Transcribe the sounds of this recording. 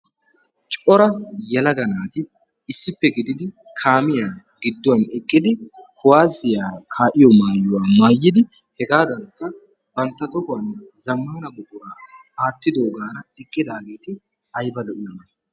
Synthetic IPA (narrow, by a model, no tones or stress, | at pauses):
t͡ʃʼɔɾɐjɐlɐɡɐnaːt̪ɪ | ɪsːɪpːɛɡɪd̪ɪd̪ɪ | kʰaːmɪjaː | ɡɪd̪ːɔwɐnɛkʼːɪd̪ɪkʰʊwaːzɪjaːkʰaːʔɪjɔmaːjːʊwaːmaːjːɪd̪ɪ | hɛɡaːd̪ɐŋkːɐ | bɐnt̪ːɐt̪ɔkʊwanzɐmːaːnɐbʊɡʊɾaː | aːt̪ːɪd̪o̞ːɡaːɾɐɛkʼːɪd̪aːɡe̞ːt̪ɪ | ɐjbɐlɔʔɪjɐnɐ